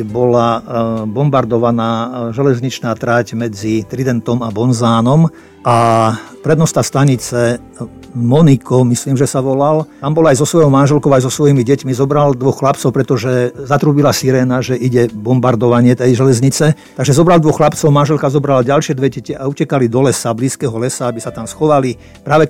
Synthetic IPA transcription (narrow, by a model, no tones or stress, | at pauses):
bɔlabɔmbaɾd̪ɔʋanaːʒɛlɛzɲit͡ʃnaːt̪ɾacmɛd͡zit̪ɾid̪ɛnt̪ɔmabɔnzaːnɔm | ʔapɾɛd̪nɔst̪ast̪aɲit͡sɛ | mɔnikɔmisliːmʒɛsaʋɔlalt̪ambɔlajzɔsʋɔjɔʊmanʒɛlkɔʊajzɔsʋɔjimiɟɛcmizɔbɾald̪ʋɔxxlapt͡sɔʊpɾɛt̪ɔʒɛzat̪ɾuːbilasiɾɛːnaʒɛʔiɟɛbɔmbaɾd̪ɔʋaɲɪɛt̪ɛjʒɛlɛzɲit͡sɛt̪aɡʒɛzɔbɾald̪ʋɔxlapt͡sɔʊmanʒɛlkazɔbɾalaɟalʃɪɛd̪ʋɛɟɛcɛʔaucɛkalid̪ɔlɛsabliːskɛɦɔlɛsaabisat̪amsxɔʋali | pɾaːʋɛ